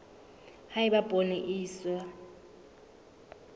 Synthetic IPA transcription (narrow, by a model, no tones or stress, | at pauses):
haɪbabʼʱoneʔiːswa